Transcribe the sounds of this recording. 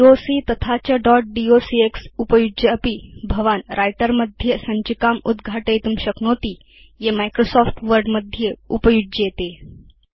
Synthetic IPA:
ɖiosit̪ət̪ʰat͡ɕjaɖɔʈ̚ɖiosieksupəjud͡ʑəːpibʱəʋanɾʔajʈəɾməd̪ʱjəsəɲt͡ɕikamud̪ɡʱaʈəjt̪umɕəknot̪iː | jemajkɾosɔfʈʋəɾɖməd̪ʱjəupəjud͡ʒet̪e

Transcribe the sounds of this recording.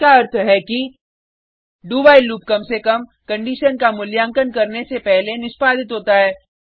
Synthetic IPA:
kaɐɾt̪ʰɦɛki | ɖuːbaːiluːp̚kɐmsekɐmkɐ̃ɳɖiːʃənkamʊljãːŋkənkɐɾnesepɛɦlenɪspaːd̪ɪt̪ɦoːt̪aɦɛː

